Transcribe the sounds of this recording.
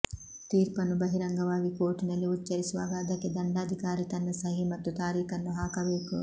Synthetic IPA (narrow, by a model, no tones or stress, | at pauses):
t̪iːɾpɐnubɐɦiɾɐŋɡɐʋaːʋikoːʈinɐliutt͡ʃɐɾisʋaːɡaːd̪ɐkːed̪ɐɳɖaːd̪ʱikaːɾit̪ɐnːɐsɐɦimɐt̪ːut̪aːɾiːkɐnːuɦaːkɐʋeːkṵ